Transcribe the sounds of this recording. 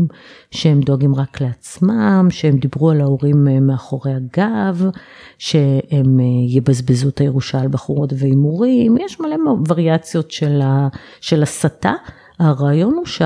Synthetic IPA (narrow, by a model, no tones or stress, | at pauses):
mʃehemd̪oaɡimʁakleat͡smamʃeemd̪ibʁualaoʁimmeaχo̞ʁe̞jaɡav | ʃe̞emjebazbezuetajeʁuʃalbaχuʁo̞tveimoʁimjɛʃmale̞mavaʁiat͡sjo̞tʃela | ʃe̞lasata | aʁaːjo̞nuʃ